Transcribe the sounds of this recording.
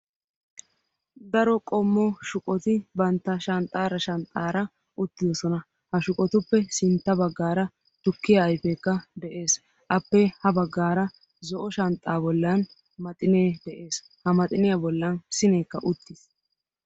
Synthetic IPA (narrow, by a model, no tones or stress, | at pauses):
d̪ɐɾɔkʼɔmːɔʃʊkʼɔt̪ɪbɐnt̪ːɐʃɐnt̪ʼːaːɾɐʃɐnt̪ʼːaːɾɐ | ʊt̪ːɪd̪ɔsɔnɐ | hɐʃʊkʼɔt̪ʊpːɛsɪnt̪ːɐbɐɡːaːɾɐ | t̪ʊkːɪjaːjfekːɐd̪ɛʔe̞ːs | ʔɐpːɛhɐbɐɡːaːɾɐ | zɔʔɔʃɐnt̪ʼːaːbɔlːɐn | mɐt̪ʼɪneːd̪ɛʔe̞ːs | hɐmɐt̪ʼɪnɪjabɔlːɐnsɪneːkːɐʔʊt̪ːɪs